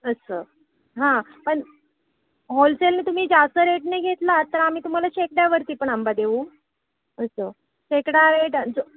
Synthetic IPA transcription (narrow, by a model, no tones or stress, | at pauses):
əsəː | ɦã | pəɳ | ɦolselnit̪um̤iːd͡zast̪əɾeʈneɡʱet̪lat̪ːəɾam̤iːt̪um̤alaɕekɽjaʋəɾt̪iːpəɳambad̪eʋuː | əsə | ɕekɽjaɾeʈd͡z